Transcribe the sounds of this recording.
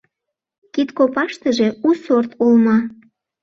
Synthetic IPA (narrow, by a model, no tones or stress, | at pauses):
kit̪kopɑʃt̪əʒeusort̪ulmɑ